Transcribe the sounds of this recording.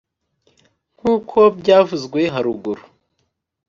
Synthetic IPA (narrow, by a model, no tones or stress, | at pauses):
ŋ̥uːkʰo̞bɟaːvuzɡwe̞ɦaɾuɡuɾu